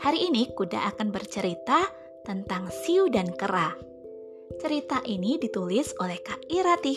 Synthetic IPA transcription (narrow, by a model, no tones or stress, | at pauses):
haɾiːnikuda̰ʔakanbərt͡ʃəɾit̪a | t̪ənt̪aŋsiudankəɾa | t͡ʃəɾit̪aʔinidit̪ulɪsolɛhkaiɾat̪i